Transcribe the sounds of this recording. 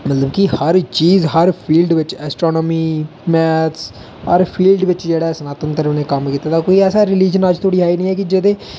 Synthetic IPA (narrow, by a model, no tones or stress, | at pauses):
mət̪ləbkihəɾt͡ʃiːzɦəɾpʰiːlɖʋɪt͡ʃɛːsʈɾoːnɔːmiːmɛːt̪ʰs | əɾpʰiːlɖʋɪt͡ʃd͡ʒeːɽaːsənaːt̪ənt̪əɾəʋnẽːkəmkiːt̪aːt̪aːkoːiːɛːsaːɾɪliːd͡ʒənəd͡ʒt̪ʰoːɽiːaːiːnəĩːɛːkid͡ʒɪd̪eː